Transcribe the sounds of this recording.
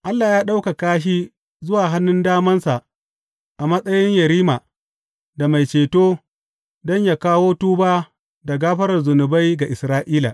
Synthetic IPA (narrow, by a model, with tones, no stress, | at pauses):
ʔa˦lːaː˨jaː˦ɗa˦wka˨kaː˦ʃ̬i˦ | zʊ˦waː˨ɦa˦nːʊ˦ndaː˦mɐ˦nsa˨ʔ | ʔa˨mɐ˦sʼɐ˦jɪ˦ɲjɐ˨ɾiː˦ma˨ | da˨ma˨jt͡ʃeː˨toː˦ | dɔ˦ɲjaː˨kaː˦woː˦tuː˦baː˦ | da˨ɡaː˦ɸɐ˦ɾɐ˨rzʊ˨nʊ˨ba˦jɡa˨ʔɪ˨sɾaː˦ʔiː˦la̰˨ʔ